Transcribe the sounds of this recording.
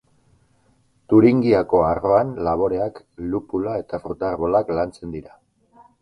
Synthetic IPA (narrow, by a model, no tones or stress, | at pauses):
t̪uɾiŋɡiako̞aro̞anlaβ̞o̞ɾe̞ak | lupulae̞t̪afɾut̪aɾβo̞laklant͡se̞nd̪iɾa